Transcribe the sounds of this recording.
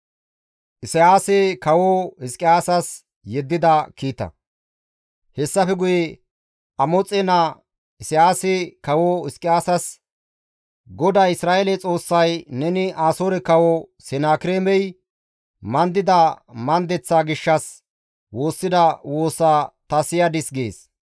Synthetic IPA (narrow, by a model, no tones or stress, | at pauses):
ʔɪsɪjaːsekɐwohɪskʼɪjaːsɐs | jɛd̪ːɪd̪ɐkiːt̪ːɐ̰ | hɛsːɐfɛɡʊjɛ | ʔɐmɔt͡sʼɛnɐ | ɪsɪjaːsekɐwohɪskʼɪjaːsɐs | ɡɔd̪aːɪsɾaːʔelɛt͡sʼo̞ːsːɐjnɛnɪʔaːsoːɾɛkɐwɔsɛnaːkɪɾeːmɛj | mɐnd̪ɪd̪ɐmɐnd̪ɛt͡sːaːɡɪʃːɐs | wo̞ːsːɪd̪ɐwo̞ːsaːt̪ɐsɪjad̪ɪsɡḛːs